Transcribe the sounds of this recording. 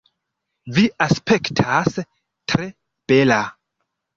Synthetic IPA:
viaspe̞ktʰas | tɾe̞ | b̥e̞la

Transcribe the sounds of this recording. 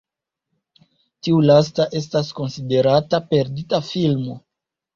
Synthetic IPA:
tiulas̬taʔe̞s̬tasko̞nside̞ɾatape̞ɾditafilmo̞

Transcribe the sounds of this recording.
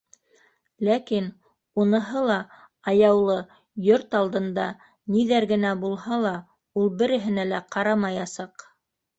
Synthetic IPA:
lækin | unɤ̆ɦɤlˠɑ | ɑjɑwlˠɤ | joɾt̪ɑlˠd̪ɤ̆nd̪ɑ | niðæɾɡɘ̆næbulˠhɑlˠɑ | ulˠbɘ̆ɾɘ̆ɦɘ̆nælæqɑɾɑmɑjɑsɑq

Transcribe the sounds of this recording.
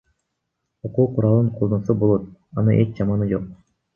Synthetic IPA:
oquːqʰuɾɑlˠɯɴqʰolˠd̪osubolˠo̞t̪̚ɑnɯʔet͡ʃd͡ʒɑmɑnɯd͡ʒo̞q̚

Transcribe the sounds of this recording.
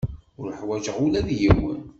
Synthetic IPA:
ʊɾħwæʒəʁʊlæðjiwə̰n

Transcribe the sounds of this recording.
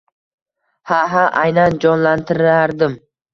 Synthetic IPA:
haɦaʔajnand͡ʒɒnlant̪ʰɪɾaɾd̪ɪm

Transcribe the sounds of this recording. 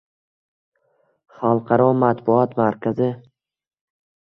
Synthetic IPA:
χalˠqʰɑɾɒmat̪bʊɒt̪maɾkʲʰazɪ

